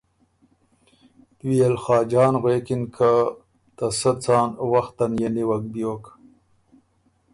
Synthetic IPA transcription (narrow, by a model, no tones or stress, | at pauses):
t̪wielxɑːd͡ʒɑːnɣweːkinkʰa | t̪asət͡sɑːnwaxt̪anjeniwak̚bjoːk